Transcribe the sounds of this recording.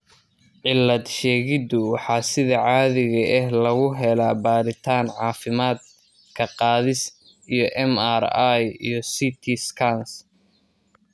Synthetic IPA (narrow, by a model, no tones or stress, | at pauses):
ʕɪlːɐd̪ʃɛːɣɪd̪ʊwɑħɑːsɪðɐʕɑːðɪɣɐʔɛɦlɐɣʊɦɛlaːbaːɾɪt̪ʰaːnʕɑːfɪmaːd̪̚ | kʰɐqɑːðɪs | ijɞʔɛma̰ɾajḭjɞsit̪ʰiskʰɐns